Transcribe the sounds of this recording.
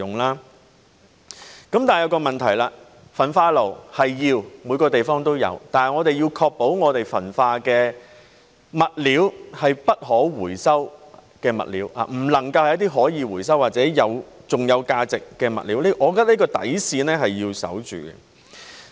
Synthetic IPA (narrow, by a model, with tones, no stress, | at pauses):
ʊ˨ŋlaː˥ | kɐ˨˥mt̪aː˨n˨jɐ˨˧wkɔː˧mɐ˨˩nt̪ʰɐ˨˩jlaː˧ | fɐ˨˩nfaː˧lo˨˩whɐ˨jjiː˧wmuː˨˧jkɔː˧t̪e˨jfɔː˥ŋt̪o˥wjɐ̰˨˧wt̪aː˨nhɐ˨jŋɔː˨˧t̪e˨jiː˧wkʰɔː˧k̚po˨˥wŋɔː˨˧t̪e˨jfɐ̰˨˩nfaː˧kɛː˧ | mɐ˨t̚liː˨˥whɐ˨jpɐ˥t̚ɦɔː˨˥wuː˨˩jsɐ˥wkɛː˧mɐ̰˨t̚liː˨˥wa̰ː˨m̩˨˩lɐ˨˩ŋkɐ˧whɐ˨jɐ˥t̪iː˥ɦɔː˨˥jiː˨˧wu˨˩jsɐ˥wːaː˨t̚t͡sɛː˨˥jɐ˨˧wt͡sʊ˨ŋjɐ˨˧wkaː˧t͡sɪ˨kːɛː˧mɐ̰˨t̚liː˨˥wli˥ʔɔː˨˧kɔː˧˥t̪a˥li˥kɔː˧t̪ɐ̰˨˥jsiː˧nɛː˥ɦɐ˨jjiː˧wsɐ̰˨˥wt͡ʃy̰ː˨ɡɛ̰˧